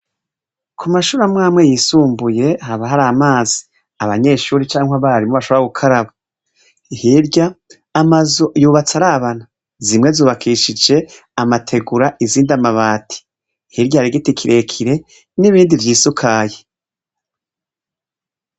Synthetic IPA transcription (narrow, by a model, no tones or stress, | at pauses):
kʰumaʃuːɾamŋaːmŋe̞jiːsuːmbuje̞ɦaβaɦaɾaːmaːzi̥ | aβaɲe̞ːʃuːɾit͡ʃaːŋhwaβaɾimoβaʃoaɡukʰaɾaβa | ihiɾɟaː | mazojuːβat͡saɾaβana | zimŋe̞zuːβakʰiːʃid͡ʒe̞ | amatʰe̞ɡuɾaʔiziːndamaβaːtʰi̥ | hiɾɟaɾiɡitikʰiɾe̞kʰiɾe̞ | niβiːndivjiːsukʰaːje